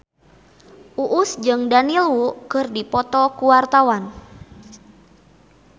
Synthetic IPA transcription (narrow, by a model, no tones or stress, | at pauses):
ʔuʔːsd͡ʒɨŋdanilwukɨrdipɔt̪ɔkuwart̪awan